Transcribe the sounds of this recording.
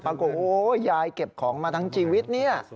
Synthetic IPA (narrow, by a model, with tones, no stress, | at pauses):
paː˧kɔ˨˩t̪̚ʔoː˨˦˩jaː˧jke˨˩p̚kʰɔː˩˦ŋmaː˧t̪ʰa˦˥ŋt͡ɕʰiː˧wi˦˥t̪̚ni˥˩ɐ